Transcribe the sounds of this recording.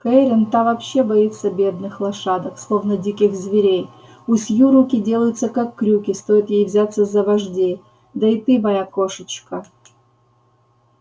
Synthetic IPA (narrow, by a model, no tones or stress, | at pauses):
kɐɾʲɪnt̪avɐpɕːe̞bɐit̪səbʲe̞d̪nɨxlˠɐʂad̪əkslˠovnədʲikʲɪxzvʲɪɾʲej | ʊsʲjuɾukʲɪdʲe̞lˠəjʊt̪səkakːɾʲukʲɪst̪o̞jɪt̪jejvzʲat̪səzɐvɐʐdʲe | d̪ɐɪt̪ɨbɐjakoʂət͡ʃkə